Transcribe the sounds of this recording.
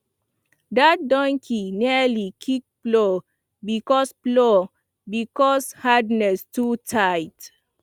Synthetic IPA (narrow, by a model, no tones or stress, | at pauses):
dat̚dɔ̃ŋkʰinialikʰik̚plo | bikɔsplo | bikɔshadnɛstutʰajt